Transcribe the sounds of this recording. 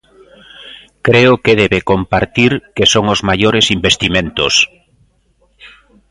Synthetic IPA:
kɾeʊkeðeβekompaɾt̪iɾkesoŋozmajoɾesimbest̪imẽnt̪ʊ̰s

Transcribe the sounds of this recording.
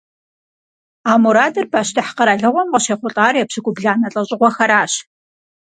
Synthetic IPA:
aːmuɾaːdɐrbʰaːʃtʰɨħqɐɾaːɮɐʁʷɔmʁɐɕeːχʷʊɬʼaːrjɛpɕɨkʷʼʊbɮaːnɐɬʼɐɕʼɪʁʷɔxɐɾaːɕ

